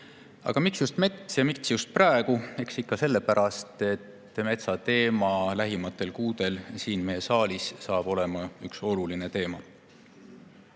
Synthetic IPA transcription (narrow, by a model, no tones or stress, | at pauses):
ɑ̰ɡ̥ɑmiksjust̪me̞t̪sjɑmik̪sjust̪̚prɑˑeɡ̥ue̞ksikːɑse̞lːe̞pæɾɑst̪e̞t̪ː | me̞t̪sɑt̪e̞ːmɑlæɦimɑt̪ːˑe̞lkuːd̪̥e̞lsiːnmeje̞sɑːlissɑːb̥o̞le̞mɑykso̞luline̞t̪e̞ːmɑ